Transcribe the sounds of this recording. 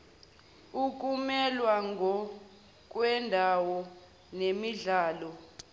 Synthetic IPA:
uk̬ʼumɛlwaŋʱɔ | k̬ʼwɛndʱawɔ | nemiɮaːlɔ

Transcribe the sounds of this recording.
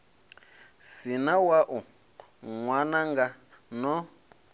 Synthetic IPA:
sinawaʔu | ŋwanaŋɡa | nɔ

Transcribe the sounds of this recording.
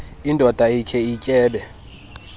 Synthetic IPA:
indʱɔd̥ʱaikʰɛicʼɛːɓɛ

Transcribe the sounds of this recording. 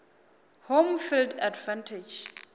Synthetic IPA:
homfildadvãntʰed͡ʒ

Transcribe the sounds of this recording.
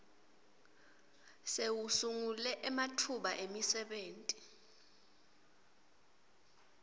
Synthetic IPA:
sewusuŋulɛʔɛmatʰuɓaʔemisɛɓeːntʼi

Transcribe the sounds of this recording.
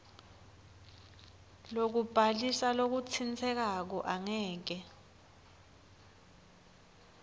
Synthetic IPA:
lok̬ub̥ʱalisalok̬ut͡sʰint͡sʰɛk̬ak̬ɔʔaŋɛːk̬ɛ

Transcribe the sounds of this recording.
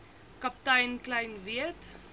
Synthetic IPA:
kɐp̚tɐjnklɐjnviət

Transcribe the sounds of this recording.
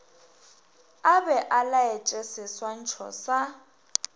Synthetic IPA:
abɛʔalaɛt͡ʃʼesɪswan̩t͡ʃʰɔ̰sa

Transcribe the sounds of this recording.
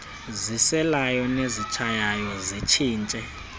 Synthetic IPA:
zisɛlajɔnezit͡ʃʰajajɔzit͡ʃʰiːnt͡ʃʼɛ

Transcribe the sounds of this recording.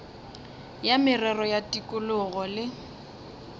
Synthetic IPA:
jamɪrɛrɔjatʼikʼʊlʊɣɔlɪ

